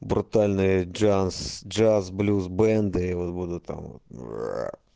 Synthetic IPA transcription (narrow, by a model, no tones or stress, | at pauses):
bɾʊt̪ɑlʲnɪjd͡ʒasd͡ʒɑzblʲuzbɛnd̪ɪiɔt̪bud̪ʊt̪ɑ̰mɔ̰t̪